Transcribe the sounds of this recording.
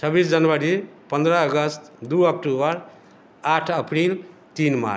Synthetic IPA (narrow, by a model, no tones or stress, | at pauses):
t͡ʃʰʌbisd͡ʒənwəɾipə̃nd̪ɾəːɡəst̪d̪uʌkʈubəɾ | aʈʰəpʰɾil | t̪inma̰